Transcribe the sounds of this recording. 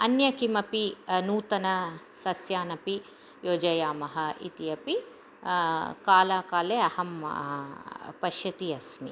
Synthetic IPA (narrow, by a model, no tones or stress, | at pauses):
ɐnjɐkimɐpinuːt̪ɐnɐsɐsjaːnɐpi | joːd͡ʒɐjaːmɐɦɐḭt̪ijɐpi | kaːlaːkaːleːɐhɐm | pɐʃjɐt̪iɐsmi